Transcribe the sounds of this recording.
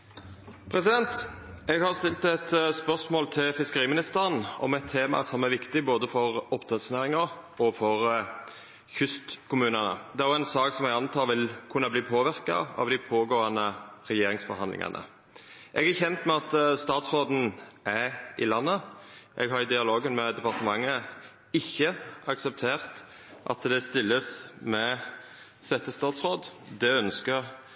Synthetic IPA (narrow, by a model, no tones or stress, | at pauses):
pʰɾɛsɪd̪ɛnt̪ɛɡhɑʁst̪ɪlt̪ɛt̪spœsmoːlt̪ʰɪlfɪskəɾiːmɪnɪst̪əɾənɔ̰mɛt̪ʰːeːmɑ̰sɔmæɾʋɪkt̪ɪboːd̪əfɔʁɔpt̪ʰət̪sneːɾɪŋɑɔfɔɾ | çʏst̪kʰʊmʉːnənə̰d̪ɛæjʊænsɑːksɔmɛɡɑnt̪ʰɑːʋɪlkʰʉnɑbliːpʰoːʋɪɾkɑ̰ɑ̰ʋd̪ɪpʰoːɡoːɑnəɾɛjeːɾɪŋsfɔɦɑnd̪lɪ̰ŋɑ̰nʔə̰ | ʔɛɡæɾçɛnt̪mɛɑt̪st̪ɑːt̪sʁoːd̪n̩ʔæɾɪ̰lɑnːəʔɛɡɦɑɾɪd̪ɪɑloːɡənmɛd̪ɛpɑʁt̪əmɑŋːə | ɪçːəɑksəp̚t̪ʰeːʁt̪ | ʔɑ̰t̪d̪ɛst̪ɪlːəsmɛ | sɛt̪ːəst̪ɑːt̪sʁoːd̪d̪ɛœnskəʁ